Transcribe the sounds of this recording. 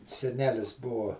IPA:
sʲɛˈnʲæːlʲɪs ˈbuɔ

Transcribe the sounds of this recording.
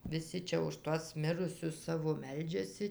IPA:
ʋʲɪˈsʲɪ ˈt͡ʃʲɛ ʊʃ ˈtuɔs ˈmʲɪrʊsʲʊs ˈsɑːʋoː ˈmʲɛlʲd͡ʒʲɛsʲɪ

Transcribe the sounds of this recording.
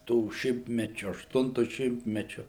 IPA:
ˈtuː ˈʃʲɪmʲtʲmʲɛt͡ʃʲʊ ɐʃˈtʊntʊ ˈʃʲɪmʲtʲmʲɛt͡ʃʲʊ

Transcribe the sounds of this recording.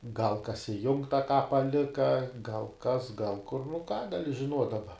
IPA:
ɡɐlˠ kɐs ɪˈjʊŋktɐ ˈkɑː pɐˈlʲɪkɐ ɡɐlˠ ˈkɐs ɡɐlˠ ˈkʊr nʊ kɑː ɡɐˈlʲɪ ʒʲɪˈnuɔtʲ dɐˈbɐ

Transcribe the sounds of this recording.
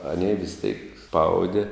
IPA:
ɐˈnʲeː ʋʲɪs tʲeːk ˈspɐʊdʲɪ

